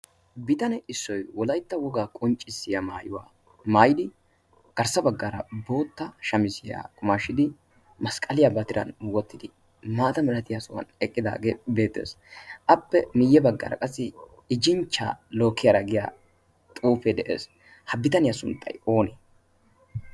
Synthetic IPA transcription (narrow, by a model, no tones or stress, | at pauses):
bɪt̪ɐnɛɪsːɔjwɔlɐjt̪ːɐwɔɡaːkʼɔnt͡ʃʼːɪsːɪjamaːjʊwa̰ː | maːjɪd̪ɪ | ɡ̥ɐɾsɐbɐɡːɐɾɐbo̞ːt̪ːɐʃɐmɪsɪja̰ːkʼʊmaːʃːɪd̪ɪ | mɐskʼɐlɪjabɐt̪ɪɾɐ̰nwɔt̪ːɪd̪ɪ | maːt̪ɐmɛlɐt̪ɪjasɔwɐ̰nɛkʼːɪd̪a̰ːɡeːbe̞ːt̪ːe̞̰ːs | ʔɐpːɛmɪjːɛbɐɡːɐ̰ɾɐ̰kʼɐsːɪ | ɪd͡ʒɪnt͡ʃːa̰ːlo̞ːkʰːɪjɐɾɐɡɪja̰ː | t̪ʼuːfɛd̪ɛʔḛːs | hɐbɪt̪ɐnɪjɐsʊnt̪ʼːɐ̰jo̞ːnɛ